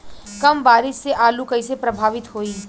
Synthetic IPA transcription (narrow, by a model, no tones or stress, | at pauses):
kɐmbaːɾɪsseʔaːlukɐisepɾɐbʱaːʋɪt̪ɦoːiː